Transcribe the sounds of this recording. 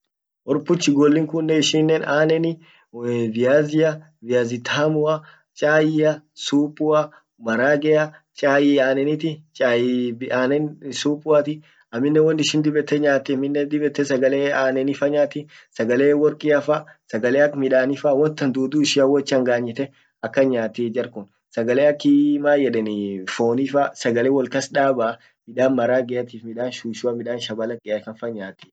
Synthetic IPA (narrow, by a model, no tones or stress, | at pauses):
ʔɔɾpʊt͡ʃːɪɡɔlːɪŋkʊnːɛɪʃiːnːeːnaːnɛnɪ | vɪjaːzɪjɐ | vɪjaːzɪt̪ʰaːmʊɐ | t͡ʃʼaːjɪɐsuːpʼʊɐ | mɐɾaːɡɛjɐt͡ʃʼaːjɪaːnɛnɪt̪ɪt͡ʃʼajaːnɛnsuːpʼʊat̪ɪ | ɐmːɪnːɛwɔnːɪʃɪnd̪ɪbɛt̪ːɛɲaːt̪ɪɐmɪnːɛd̪ɪbɛt̪ːɛsɐɡɐleːaːnɛnɪfɐɲaːt̪ɪ | sɐɡɐleːwɔɾkʼiɐfasɐɡɐleːɐkmɪᶑaːnɪfawɔnt̪ːɐnd̪uːd̪uːɪʃiːɐwɔt͡ʃːɪɐŋɡaːɲːɪt̪ɛ | ɐkːɐɲaːt̪iːd͡ʒɐɾkʊn | sɐɡɐleːɐkːɪmaːjɛᶑɛnfoːnifasɐɡɐleːwɔlkɐsᶑaːbaː | mɪᶑaːnmɐɾaːɡɛɐt̪iːfmɪᶑaːnʃuːʃʊɐmɪᶑaːnʃɐbɐlɐkʼːɛɐkɐnfɐɲaːt̪ːi̥ː